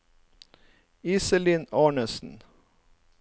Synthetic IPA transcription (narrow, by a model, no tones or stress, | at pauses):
iːsəliːnɑːɳəsn̩